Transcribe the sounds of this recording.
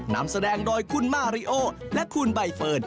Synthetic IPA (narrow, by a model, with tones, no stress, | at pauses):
na˦˥msa˧dɛː˧ŋdɔː˧jkʰu˧˥˨nmaː˧˩ɾi˦˥ʔoː˥˩lɛ˦˥kʰu˧nba˧jfɤː˧˩n̚